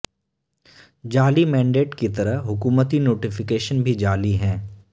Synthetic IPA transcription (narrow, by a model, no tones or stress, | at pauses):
d͡ʒaːlimɛ̃ːɳɖeːʈkit̪ɐɾəɦɦʊkuːmət̪inoːʈɪfɪkeːʃənbʱid͡ʒaːliɦɛ̃ː